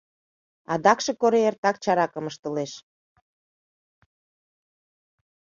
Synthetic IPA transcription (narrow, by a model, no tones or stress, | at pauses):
ɑd̪ɑkʃekoɾeert̪ɑk̚t͡ɕɑɾɑkəməʃt̪əleʃ